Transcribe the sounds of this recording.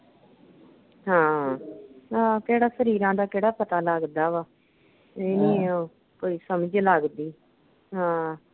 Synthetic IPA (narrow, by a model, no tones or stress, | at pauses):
ɦãː | ãːkeːɽaːsəɾiːɾãːd̪aːkɛːɽaːpət̪aːləɡd̪aːʋaː | eːniːoː | koːiːsəməd͡ʒləɡd̪iː | ɦãː